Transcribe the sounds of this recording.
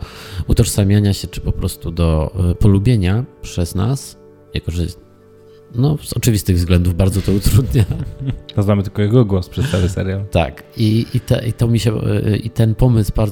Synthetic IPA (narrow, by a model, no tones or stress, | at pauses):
ut̪ɔʂsamʲjaɲaɕɛt͡ʂɘ̥pɔpɾɔst̪ud̪ɔpɔlubʲjeɲapʂɛzna̰s | ja̰kɔʐɛ | nɔz̥ɔt͡ʂɘvʲist̪ɘɣvzɡlɛnd̪uvbaɾd̪zɔt̪ɔut̪ɾud̪ɲat̪ɔzamɘt̪ɘlkɔjɛɡɔɡwɔspʂɛt̪sawɘsɛ̰ɾjalt̪a̰kiit̪ɛ̰ʔit̪ɔmʲiɕɛ̰ḭt̪ɛnpɔmɘsbaɾd̪